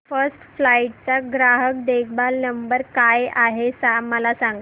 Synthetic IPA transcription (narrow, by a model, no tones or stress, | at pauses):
fəɾsʈflaiʈ̚t͡saɡɾaɦək̚d̪ekʰbalnəmbəɾkajaɦesaməlasaŋɡ